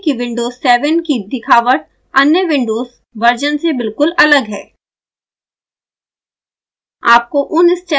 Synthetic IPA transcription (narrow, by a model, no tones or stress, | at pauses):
kiʋɪ̃ɳɖoːzsːɛːʋənkid̪ɪkʰaːʋəʈ̚ | ɐnjəʋɪ̃ɳɖoːz | ʋɐɾd͡ʒənsebɪlkʊlɐləɡɦɛː | aːp̚koʔʊnɪst͡ʃɛ